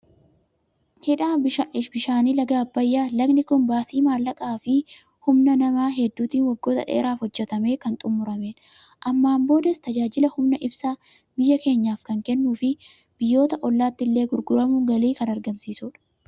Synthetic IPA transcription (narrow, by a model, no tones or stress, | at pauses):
hɪᶑaːbɪʃaɪʃbɪʃaːniːlɐɡaːbːɐjːaːlɐɡnɪkʊnbaːsiːmaːlːɐkʼaːfɪ | hʊmnɐnɐmaːɦɛd̪ːuːt̪iːnwɐɡːo̞ːt̪ɐ̰ᶑḛːɾaːfhɔd͡ʒːɛt̪ɐme̞ːkɐnt̪ʼʊmːʊɾɐmeːᶑ | ʔɐmːaːmbo̞ːd̪ɐst̪ɐd͡ʒaːd͡ʒɪlɐhʊmnɐʔɪbsaː | bɪjːɐke̞ːɲːaːfkɐŋkɛnːuːfɪ | b̥ɪjːo̞ːt̪ɐʔɔlːaːt̪ːɪlːe̞ːɡʊɾɡʊɾɐmʊɡɐliːkɐnɐɾɡɐmsiːsʊᶑɐ̥